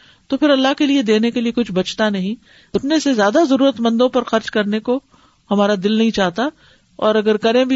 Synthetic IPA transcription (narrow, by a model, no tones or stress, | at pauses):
t̪opɪɾɐlːaɦkelied̪eːnekeliekʊt͡ʃʰbɐt͡ʃt̪anɐɦĩ | ɐpnesezjaːd̪azɐɾuːɾət̪mɐ̃nd̪õpɐɾxɐɾt͡ʃkɐɾneko | hɐmaːɾad̪ɪlnɐɦĩt͡ʃaːɦt̪a | ɔːɾɐɡəɾkɐɾẽbʱi